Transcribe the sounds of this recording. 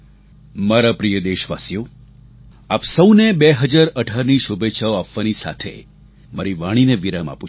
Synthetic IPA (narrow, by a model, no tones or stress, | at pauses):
maɾapɾijəd̪eʃʋa̰sjo | apsəwnebeɦəd͡ʒaɾəɖʱaɾniʃubeːʃʰaoapʋanisa̰t̪ʰḛ | məɾiʋaɽ̃ineʋiɾama̰pu